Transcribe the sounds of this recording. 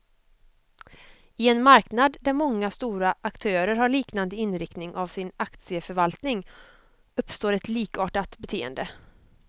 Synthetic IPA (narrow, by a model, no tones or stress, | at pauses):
ɪɛnmaɾknad̪d̪æɾmɔŋːast̪uːɾaʔakt̪ʰœːɾəɾhaɭiːknand̪əɪnɾɪkt̪nɪŋʔavsɪnakt̪sɪəfœɾvalt̪nɪŋ | ɵpːst̪oːɾɛt̪liːkɑːʈat̪bɛt̪ʰeːə̰nd̪ə